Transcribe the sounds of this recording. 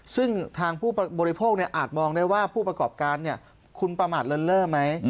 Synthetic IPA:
sɯ˥˩ŋt̪ʰaː˧ŋpʰuː˥˩pa˧bɔː˧ɾi˧˦˥pʰoː˥˩k̚ni˥˩ɐʔaː˨˩t̪̚mɔː˧ŋdaː˥˩jwaː˥˩pʰuː˥˩pɾa˧kɔː˨˩p̚kaː˧nːi˥˩ɐ | kʰu˧npɾa˧maː˨˩t̪̚lɤ˧nlɤː˥˩ma˦˥j

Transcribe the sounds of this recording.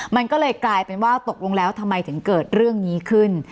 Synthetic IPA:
ma˧nkɔː˥˩lɤː˧jklaː˧jpe˧nwaː˥˩t̪o˨˩k̚lo˧ŋlɛː˦˥wt̪ʰa˧mːa˧jt̪ʰɯ˩˦ŋkɤː˨˩t̪̚ɾɯ˥˩əŋniː˦˥kʰɯ˥˩n

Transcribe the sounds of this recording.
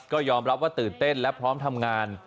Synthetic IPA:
kɔː˥˩jɔː˧mɾa˦˥p̚waː˥˩t̪ɯː˨˩nt̪e˥˩nlɛ˦˥pʰɾɔː˦˥mt̪ʰa˧mŋaː˧n

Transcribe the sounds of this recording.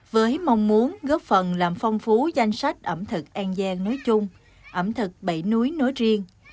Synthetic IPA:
vəː˨˦jma˧wŋ͡mmu˨˦ənɣɔ˦˥p̚fə˨˩nlaː˨˩mfɔ˧wŋ͡mfu˨˦za˧jŋ̟sa˦˥jk̟̚ʔə˧˩mt̪ʰɨ˨˩k̚ʔaː˧ŋzaː˧ŋno˨˦jt͡ɕʊ˧ŋ͡m | ʔə˧˩mt̪ʰɨ˨˩k̚ɓə̰˧˩jnu˨˦əjno˨˦jzi˧əŋ

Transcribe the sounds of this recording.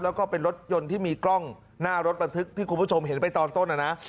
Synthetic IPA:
lɛː˦˥wkɔː˥˩pe˧nɾo˦˥t̪̚jo˧nt̪ʰiː˥˩miː˧klɔ˥˩ŋ | naː˥˩ɾo˦˥t̪̚ba˧nt̪ʰɯ˦˥k̚t̪ʰiː˥˩kʰu˧nbʰu˥˩o˧mɦe˩˦npa˧jt̪ɔː˧nt̪o˥˩nʔa˧˩na˦˥ʔ

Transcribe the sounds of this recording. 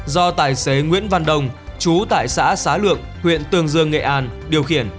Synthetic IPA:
zɔ˧t̪aː˧˩jse˨˦ŋwḭ˧˥ənva˧nɗə˧wŋ͡mt͡ɕu˨˦t̪a̰ː˧˨jsa̰ː˧˥saː˨˦lɨ̰˧˨əŋ̚ | hwḭ˧˨ənt̪ɨ˧əŋzɨ˧əŋːḛ˧˨ʔaː˧nɗi˨˩əwxḭ˧˩ən

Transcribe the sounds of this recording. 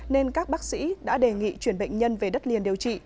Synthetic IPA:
ne˧nkaː˦˥k̚ɓaː˦˥k̚sḭ˧˥ɗa̰ː˧˥ɗe˨˩ŋḭ˧˨t͡ɕwi˧˩ənɓə̰˧˨jŋ̟ɲə˧nve˨˩ɗə˦˥t̚li˨˩ənɗi˨˩əwt͡ɕḭ˧˨

